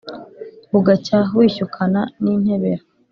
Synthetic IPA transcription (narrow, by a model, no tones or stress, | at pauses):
βuɡacawiːçukʰananiːn̥he̞βe̞ɾa